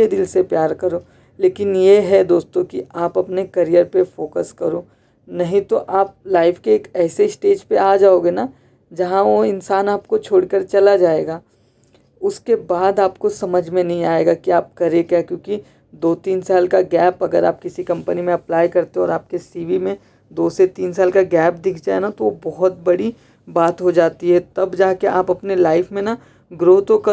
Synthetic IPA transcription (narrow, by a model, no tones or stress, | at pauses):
ed̪ɪlsepjaːɾkɐɾoː | leːkɪnjeɦɛd̪oːst̪õkiaːpɐpnekɐɾijəɾpefoːkəskɐɾoː | nɐɦĩt̪oʔaːp̚laːɪfʰkeːkɛːseɪsʈeːd͡ʒpeaːd͡ʒaːoːɡenaː | d͡ʒɐɦãʋoɪnsaːnaːp̚kot͡ʃʰoːɽkɐɾt͡ʃɐlad͡ʒaːeːɡaː | ʊskebaːd̪aːpkosɐməd͡ʒʱmẽnɐɦĩaːeɡakiaːp̚kɐɾekɛkjõːki | d̪oːt̪iːnsaːlkaɡɛːpɐɡəɾa̰ːp̚kɪsikɐ̃mpənimẽɐplaːjkɐɾt̪eɦẽɔ̰ːɾaːp̚kesiːʋimẽ | d̪oːset̪iːnsaːlkaɡɛːp̚d̪ɪkʰd͡ʒaːenat̪oʋobɔɦʊt̪̚bɐɽi | baːt̪ɦod͡ʒaːt̪iɦɛt̪ɐbd͡ʒaːɦkeʔaːpɐpnelaːɪfʰmẽna | ɡɾoːt̪õkɐ